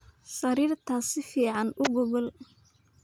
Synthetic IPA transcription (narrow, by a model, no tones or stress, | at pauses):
sɐɾiːrt̪ʰaːsɪfiːʕɑnʊɣʊɣɔl